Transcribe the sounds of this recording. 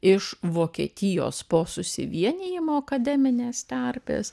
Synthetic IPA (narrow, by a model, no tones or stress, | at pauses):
ɪʃʋoːkʲḭɛt̪ʲɪjo̰ːspoːsʊsʲɪ̰ʋʲiɛnʲɪjɪmoːɐkɐd̪ʲɛːmʲɪnʲeːst̪ʲærʲpʲḛːs